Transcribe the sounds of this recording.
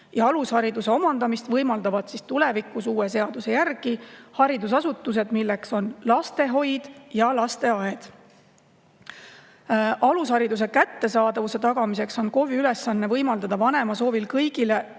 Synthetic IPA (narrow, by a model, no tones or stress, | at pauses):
jɑɑlushɑɾid̪use̞o̞mɑnd̪ɑmist̪vɤjmɑld̪̥ɑvɑd̪̥sist̪ule̞vikːˑusuːese̞ɑd̪̥use̞jærɡ̥ihɑɾid̪usɑsut̪ːˑuse̞d̪̥milːe̞kso̞nlɑst̪e̞ɦo̞jd̪̥jɑlɑst̪e̞ɑe̞d̪̥ | ʔɑlushɑɾid̪us̬e̞kæt̪ːe̞sɑːd̪ɑvuse̞t̪ɑɡ̥ɑmise̞kso̞nko̞viyle̞sːɑnːevɤjmɑld̪̥ɑd̪̥ɑvɑne̞mɑso̞ːvilkɤjɡ̥ile̞